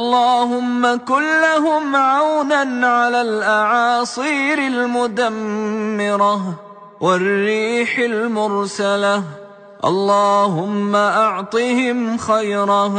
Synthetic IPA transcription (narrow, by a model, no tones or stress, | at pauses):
ʔʔɑlˤːɑːhʊmːakʊlːaɦʊmʕawnanʕalaːlʔaʕɑːsˤiːɾɪlmʊd̪amːɪɾˤɑ | wɪrːiːħalmʊɾsala | ʔɑ̰lˤːɑːhʊmːaʔaʕt̪ˤihɪmxajɾˤɑ